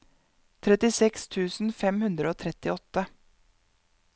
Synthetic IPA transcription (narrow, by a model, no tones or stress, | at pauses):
t̪ʰɾɛt̪ɪsɛkst̪ʰʉːsn̩fɛmhʉnd̪ɾəoːt̪ʰɾɛt̪ɪɔt̪ə